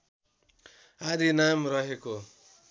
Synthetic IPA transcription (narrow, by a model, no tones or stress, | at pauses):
ad̪ʱinamrʌɦeko